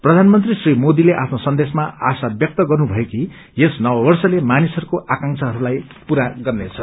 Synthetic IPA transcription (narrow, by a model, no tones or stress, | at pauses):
prʌd̪ʱanmʌnt̪risrimod̪ileʔapʰnosʌnd̪esmaasabjʌk̚t̪ʌɡʌrnubʱʌjeki | jesnʌbʌbʌrsʌlemanisʌɾukoʔakaŋt͡sʰʌɦʌɾulaj | puɾaɡʌrnet͡sʰʌ